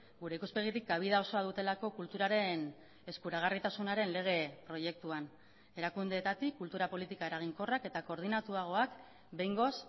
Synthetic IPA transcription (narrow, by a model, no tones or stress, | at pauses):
ɡuɾe̞ikuspe̞ɣ̞it̪ik̚ɡaβ̞ið̞ao̞so̞að̞ut̪e̞lako̞kult̪uɾaɾe̞n | e̞skuɾaɣ̞arit̪asunaɾe̞nle̞ɣ̞e̞pɾo̞je̞k̚t̪uan | e̞ɾakund̪e̞ːt̪at̪ikːult̪uɾapo̞lit̪ikae̞ɾaɣ̞iŋko̞rake̞t̪ako̞ɾð̞inat̪uaɣ̞o̞ak | be̞jŋɡo̞s